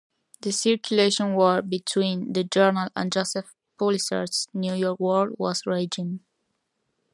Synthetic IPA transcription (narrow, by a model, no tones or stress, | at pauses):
ðəsɪɹkʰjuleʃɔ̃nwɔɹbitʰwĩnðəd͡ʒɜ˞nələ̰̃nd͡ʒɔsɛf | pʰɔlisə̰ɹsnjujɔɹkwɔɹd̚wɔ̰zɹed͡ʒɪ̃ŋ